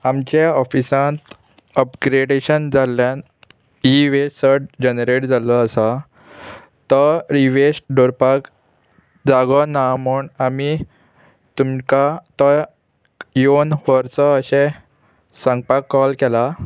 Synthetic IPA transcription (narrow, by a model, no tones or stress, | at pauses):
amt͡ɕeɔfisãnt̪ | əpɡɾeɖeɕənd͡zaljan | iʋesəɾʈd͡ʑənɾeʈd͡zaləəsa | t̪əɾiʋesʈɖoɾpak | d͡zaɡɔnamuɳami | t̪umkat̪ə | jonʋəɾt͡sɔəɕɛ̃ | sãŋɡ̚pakːɔlkɛla